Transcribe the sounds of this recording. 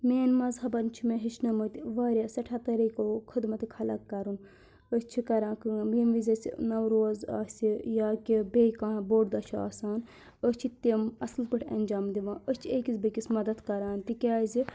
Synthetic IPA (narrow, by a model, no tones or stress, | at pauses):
meːnmɐzɦɐbɐnt͡ʃʰimeɦit͡ʃʰnɐmɨt̪iʋaːɾʲjaːsɐʈʰat̪ɐɾiːkokʰɨd̪mɐt̪ikʰɐlɐ̰kːɐɾun | əst͡ʃʰikɐɾãːkɨmimʋizʲɐsḭnɐwɾoːza̰ːsʲijaːkibekãːboːʈd̪ɐʃʰa̰ːsaːn | əst͡ʃʰit̪imɐslpɨʈʰʲɐ̰nʲd͡ʒaːmd̪iʋãːəst͡ʃʰieːkizbɐkʲisʲmɐd̪ɐd̪kɐɾaːnt̪ikʲaːzi